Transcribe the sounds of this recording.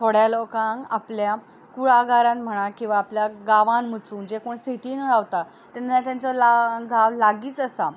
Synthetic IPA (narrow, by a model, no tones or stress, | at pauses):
t̪ʰoɽjalɔkãŋaplja | kuɭaɡaɾãt̪m̤əɽ̃akĩw̃ʋaːpljaɡaʋãnmət͡suːnd͡ʑekoːɳseʈiːnɭaʋt̪a | t̪ənat̪jant͡sɔlaɡaʋlaɡiːt͡səsa